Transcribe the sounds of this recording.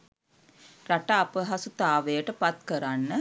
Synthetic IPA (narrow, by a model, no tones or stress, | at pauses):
raʈaːpəɦasut̪aːʋejəʈəpat̪kəɾanːə